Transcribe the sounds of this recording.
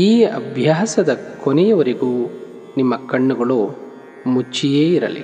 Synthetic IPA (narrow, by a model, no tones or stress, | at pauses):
iːɐbʱjaːsɐd̪ɐkonɛjɐʋɐɾeɡuː | nimːɐkɐɳːuɡɐɭoː | mut͡ʃːijeːiɾɐ̰lḭ